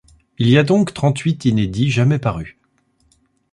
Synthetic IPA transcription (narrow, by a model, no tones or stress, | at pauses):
iliad̪ɔ̃kt̪χɑ̃t̪ɥit̪ined̪iʒamɛpaʁy